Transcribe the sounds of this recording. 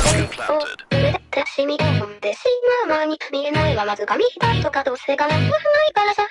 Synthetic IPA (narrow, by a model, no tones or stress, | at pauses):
ooɾed̪at̪ʰːaɕimʲikamõmd̪eɕimamaːɲ̟imʲiɾenaiβamazɨɡamʲiçid̪at̪o̞kad̪o̞ːseːɡanakɯahɯnaikaɾasa